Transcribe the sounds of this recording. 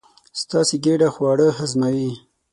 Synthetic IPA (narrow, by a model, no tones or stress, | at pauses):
st̪ɑːseɡeɖaxwɑːɽəɦazmawi